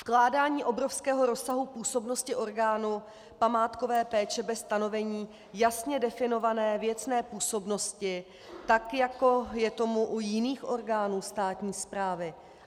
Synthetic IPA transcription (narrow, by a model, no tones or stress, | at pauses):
fklaːdaːɲiːʔo̞bɾo̞fskɛːɦo̞ɾo̞saɦupuːso̞bno̞scɪʔo̞ɾɡaːnu | pamaːt̪ko̞vɛːpɛːt͡ʃɛbɛst̪ano̞vɛɲiː | jasɲɛdɛfɪno̞vanɛːvjɛt͡snɛːpuːso̞bno̞scɪ | t̪akjako̞jɛt̪o̞muʔujɪniːxʔo̞ɾɡaːnuːst̪aːt̪ɲiːspɾaːvɪ